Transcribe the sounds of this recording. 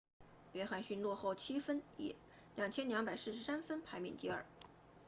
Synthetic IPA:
pjɛ˧˥xa˧˥nɕy˥˧nlwɔ˥˧xo˥˩ʊt͡ɕʰi˥fə˥nḭ˨˩˦ | ljɑ˨˩ŋt͡ɕʰjɛ˥nljɑ˧˥ŋpa˨˩ɪsɹ̩˥˩ʂ̩˧˥sa˥nfə˥npʰa˧˥ɪmḭ˨˩nt̪i˥˧˥ə̰˞˨˩˦

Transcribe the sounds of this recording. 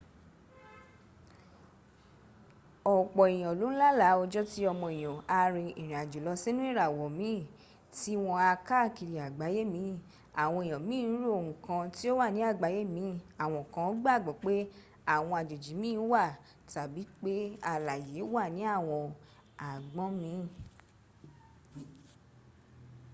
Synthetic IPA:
ɔ˨k͡pɔ˨i˨j̃ɔ̃˨lo˨˦ñ̩˦la˦la˨˦o˧d͡ʒɔ˦ti˦ɔ˧mɔ̃˧i˨j̃ɔ̃˨a˧ɾĩ˧i˨ɾ̃ĩ˨a˨d͡ʒu˨lɔ˧˦se˦nũ˦i˦˨ɾa˨wɔ˨mĩ˨˦˨ | ti˦w̃ɔ̃˧a˧ka˦˨ki˧ɾi˨a˨ɡ͡ba˨˦je˦mĩ˨˧˦ | a˨w̃ɔ̃˧e˨j̃ɔ̃˨mĩː˦˨˧ɾu˦o˨hũ˨kã˧ti˦o˦wa˦˨nĩ˨˦a˦˨ɡ͡ba˨˦je˦mĩ˨˦a˨w̃ɔ̃˧˨kã˧˦o˦ɡ͡ba˦˨ɡ͡bɔ˨˦k͡pe˦ | a˦˨w̃ɔ̃˧a˨d͡ʒo˨d͡ʒi˨˦mĩː˦wa˦˨ | ta˨bi˨˦k͡pe˦a˧˨la˨je˨˦wa˦˨nĩ˨˦a˦˨w̃ɔ̃˧ | a˨ɡ͡bɔ̃˨˦mĩ˨˦˨

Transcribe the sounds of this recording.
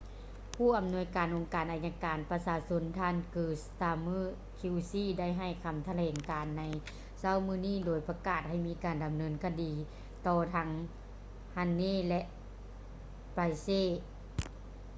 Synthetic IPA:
pʰuː˧˥˩ʔa˨˩mnu˧˥əjkaː˨˩nʔo˨ŋkaː˨˩nʔaː˧˩ɲa˧kaː˨˩npa˧saː˧so˧˥nt̪ʰaː˧˥˨nkɯː˧˩st̪aː˧mɯː˧˥˩ | kʰi˧wsiː˧˥˨da˥˩˨jɦa˧˩jkʰa˧˩mt̪ʰa˧lɛː˨˩ŋkaː˨nːa˧˦j | sa˧˥˨wmɯː˧˨niː˥˩˨doː˨˩jpa˧kaː˧˩t̪̚ha˧˥˩jmiː˧˥kaː˨nda˨mnɤː˧˥nkʰa˧diː˨ | t̪ɔː˧t̪ʰa˧˥ŋ | ha˧nːeː˥˨lɛ˧ʔ | pa˧jseː˧˥˩

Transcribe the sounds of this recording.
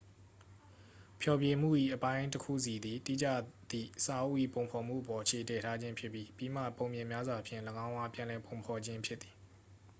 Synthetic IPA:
pʰjɔ˨bje˨m̥ṵ˦˨ʔḭ˦˨ʔəpã˦ɪ̃təkʰṵ˦˨si˨d̪i˨tḭ˦˨d͡ʑä̰˦˨d̪̥ḭ˦˨sa˨ʔu˦ʔḭ˦˨põ˨ʊ̃pʰɔ˨m̥ṵ˦˨ʔəpɔ˨ʔət͡ɕʰe˨tɛ˨tʰa˦d͡ʑɪ̃˦mpʰjɪ˦pːji˦pi˨m̥ä̰˦˨põ˨mjɪ̃˨mja˦zwa˨pʰjɪ̃˦˨ləɡã˦ʊ̃ʔa˦pjã˨lɛ˨põ˨ʊ̃mpʰɔ˨d͡ʑɪ̃˦mpʰjɪ˦t̪ːi˨

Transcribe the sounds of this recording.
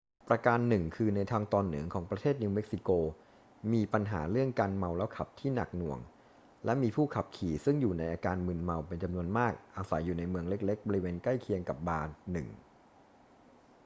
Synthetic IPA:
pɾa˧kaː˧nːɯ˨˩ŋkʰɯː˧na˧jt̪ʰaː˧ŋt̪ɔː˧nːɯ̰˩˦əŋkʰɔː˩˦ŋpɾa˧t̪ʰeː˥˩t̪̚ni˧wme˦˥k̚si˨˩koː˧ | miː˧pa˧nɦa̰ː˩˦ɾɯ˥˩əŋkaː˧nma˧wlɛ˦˥wkʰa˨˩p̚t̪ʰiː˥˩na̰˨˩k̚nu˨˩əŋ | lɛ˦˥miː˧pʰuː˥˩kʰa˨˩p̚kʰiː˨˩sɯ˥˩ŋjuː˨˩na˧jʔaː˧kaː˧nmɯ˧nma˧wpe˧nt͡ɕa˧mnu˧ənmaː˥˩k̚ʔaː˧sa̰˩˦jːuː˨˩na˧jmɯ˧əŋle˦˥k̚le˦˥k̚bɔː˧ɾi˦˥weː˧nkla˥˩jkʰi˧əŋka˨˩p̚baː˧nɯ˨˩ŋ

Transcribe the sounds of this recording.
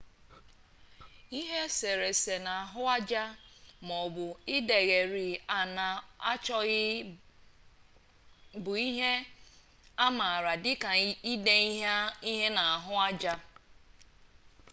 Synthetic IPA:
i˦ɦe˦se˨ɾe˨se˨na˨a˨ɦʊ˦a˦d͡ʒa˦mɔ˨bʊ˨ɪ˦de˨ɣe˨ɾi˨a˨na˨a̰˦t͡ʃɔ˦ɣɪ˦ | bʊ˨i˦ɦe˦ | a˦ma˨a˨ɾa˨dɪ˦ka˨i˦de˦i˦ɦe˦na˨a˨ɦʊ˦a˦d͡ʒa˦

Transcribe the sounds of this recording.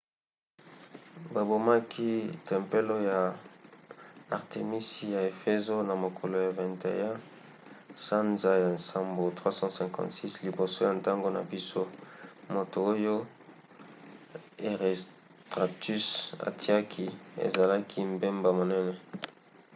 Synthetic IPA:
ba˨bo˨ma˦kʰi˦tɛ˨mpe˦lo˦ja˨ | a˨ʁte˨mi˦si˨ja˨e˨fe˦zo˦na˨mo˨kʰo˨lo˨ja˨vɛ̃˨ntḛ˨ja˦ | sa˦nza˨ja˨nsa˨mbo˨tʁwa˦sɑ̃˦sɛ̃˨ŋkɑ̰̃˨ntsi˦sli˨bo˨so˦ja˨nta˦ŋɡo˦na̰˨bi˦so˦mo˨to˨o˦jo˦ | e˨ʁe˨s | tʁa˨ty˦sa̰˨ti˦a˦kʰi˦ḛ˨za˨la˦kʰi˦mbe˦mba˨mo˨nɛ˦nɛ˦

